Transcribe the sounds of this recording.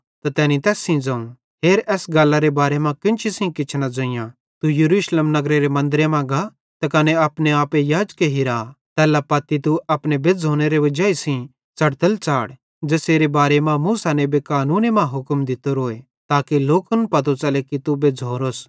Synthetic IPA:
t̪at̪ɛːnit̪ɛːsĩd͡zãːũ | ɦeːɾɛːsɡaːlːaɾebaːɾemãkɪ̃nt͡ʃʰisĩkɪt͡ʃʰnad͡zõːɪ̃jã | t̪ujɐɾuːʃleːmnɐɡɾeɾemɐ̃nd̪ɾemãɡa | t̪ɐkɐneapneaːpejaːd͡ʒkeɦiɾat̪ɛːlapɐt̪ːit̪uɐpñebed͡zʱoːñeɾeʋɐd͡ʒaːisĩ | t͡sɐɽt̪əlt͡ʃaːɽ | d͡ʒeːseːɾebaːɾemãmuːsanebekaːnuːnemãɦʊkmd̪ɪt̪oɾoːe | t̪aːkiloːkənpɐt̪ot͡ʃɐlekit̪ubed͡zʱoːɾoːs

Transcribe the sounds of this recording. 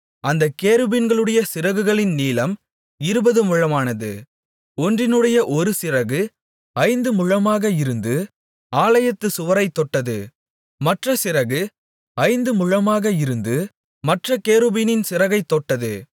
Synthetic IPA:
ɐnd̪ɐkeːɾɯbinɡɐɭɯɽɐjɐsɪɾɐɣɯɣɐɭɪnniːlɐm | ɪɾɯbɐðɯmʊɻɐmaːnɐðɯ | ɔndrɪnɯɽɐjɐʔɔɾɯsɪrɐɣɯ | ɐɪnd̪ɯmʊɻɐmaːɣɐɪɾɯnd̪ɯ | aːlɐjɐt̪ːɯsʊʋɐɾɐɪt̪ːɔʈːɐðɯ | mɐʈrɐsɪɾɐɣɯ | ɐɪnd̪ɯmʊɻɐmaːɣɐɪɾɯnd̪ɯ | mɐʈrɐkeːɾɯbinɪnsɪɾɐɣɐɪt̪ːɔʈːɐðɯ

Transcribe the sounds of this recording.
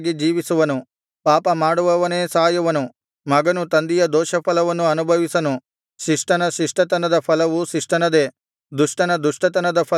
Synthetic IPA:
ɡid͡ʒiːʋisuʋɐnu | paːpɐmaːɽuʋɐʋɐneːsaːjuʋɐnu | mɐɡɐnut̪ɐnd̪ijɐd̪ɔːʃɐpʰɐlɐʋɐnuɐnubʱɐʋisɐnu | ʃiʂʈɐnɐʃiʂʈɐt̪ɐnɐd̪ɐpʰɐlɐʋuʃiʂʈɐnɐd̪e̞ː | d̪uʂʈɐnɐd̪uʂʈɐt̪̬ɐnɐd̪ɐpʰɐ

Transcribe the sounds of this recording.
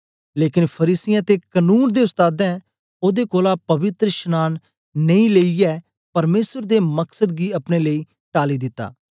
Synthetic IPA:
leːkɪnpʰəɾiːsɪjãt̪ekənuːnd̪eːʊst̪aːd̪ɛ̃ː | oːd̪ekoːlapɐʋɪt̪ɾəʃənaːn | nəĩːleːiɛː | pɐɾmeːsəɾd̪eːməksəd̪̚ɡiːɐpɽ̃eːləiː | ʈaːlid̪ɪt̪ːa̰ː

